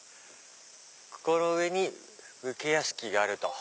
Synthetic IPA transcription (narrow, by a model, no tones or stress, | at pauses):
ko̥ko̞ɾo̞ɯ̟e̞ɲ̟i | ɯ̟kejaɕɨ̥kʲiɡaːɾɯ̟t̪o̞